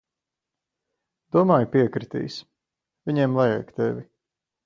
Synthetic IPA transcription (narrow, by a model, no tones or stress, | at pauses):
d̪̥uɔmaːjupiɛkɾit̪ḭːs | vʲiɲɛːmlˠajɛ̰jkt̪evʲi